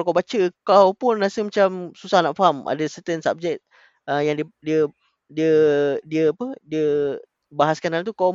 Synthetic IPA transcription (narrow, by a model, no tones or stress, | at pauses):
kalkawbat͡ʃəkawpʊnːasəmat͡ʃamsusahnaʔfɦamʔa̰dəsət̪ənsa̰p̚d͡ʒɛk̚t̪̚ | ʔəjaŋdidiə | diədiəapədiə | baɦaskanant̪̬uka